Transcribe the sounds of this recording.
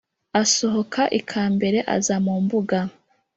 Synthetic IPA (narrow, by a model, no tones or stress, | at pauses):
aso̞ɦo̞kʰaʔikʰaːmbe̞ɾe̞ʔa̰zamuːmbuɡa